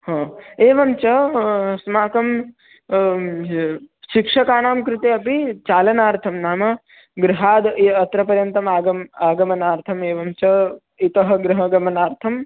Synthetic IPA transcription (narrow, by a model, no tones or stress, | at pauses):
hɐ̃ːeːʋɐmt͡ʃɐsmaːkɐm | ʃikʂɐkaːnaːmkɾɪt̪eɐpit͡ʃaːlɐnaːɾt̪ʰɐmnaːmɐ | ɡɾɪɦaːd̪ɐt̪ɾɐpɐɾjɐnt̪ɐmaːɡɐmaːɡɐmɐnaːɾt̪ʰɐmeːʋɐmt͡ʃɐ | it̪ɐɦɐɡɾɪɦɐɡɐmɐnaːɾt̪ʰɐm